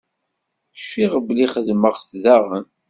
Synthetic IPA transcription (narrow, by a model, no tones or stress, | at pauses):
ʃfiʁbliχəðməʁsðaʁən